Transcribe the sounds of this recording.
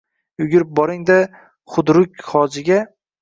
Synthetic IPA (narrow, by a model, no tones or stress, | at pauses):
ʊɡʲɪɾɪp̚bɒɾɪŋd̪a | χʊd̪ɾʊkʲχɒd͡ʒɪɡʲa